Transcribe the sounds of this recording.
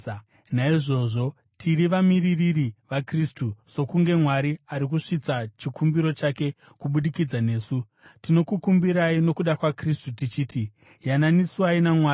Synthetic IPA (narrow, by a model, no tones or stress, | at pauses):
naiʐo̞ʐo̞ | tʰiɾiʋamiriririʋakristuso̞kuŋɡe̞mwaɾiaɾik̬uʂit͡sat͡ʃikumbiɾo̞t͡ʃake̞ | kuɓuɗikid͡zane̞ːsu | tino̞kukumbiɾaino̞kuɗakwakristutit͡ʃiːti | jananisuainamwaː